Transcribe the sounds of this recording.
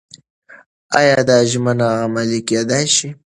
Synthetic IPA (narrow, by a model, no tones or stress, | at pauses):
ɑjɑd̪ɑʒmənaɣamaliked̪ajʃi